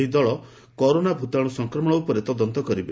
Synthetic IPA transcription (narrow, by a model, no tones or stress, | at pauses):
id̪ɔɭɔ | kɔɾonabʱut̪aɽ̃usɔŋkɾɔmɔɽ̃ɔupɔɾet̪ɔd̪ɔnt̪ɔkɔɾibe